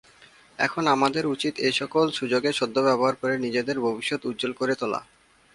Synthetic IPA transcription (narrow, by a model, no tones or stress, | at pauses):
ɛ̰kʰonamad̪eɾut͡ɕit̪ejʃɔkolʃud͡ʑoɡeʃod̪ːobɛboɦaɾpɔɾenid͡ʑed̪eɾbʱobiʃːot̪ut̪ːd͡ʑolkoɾet̪ɔla̰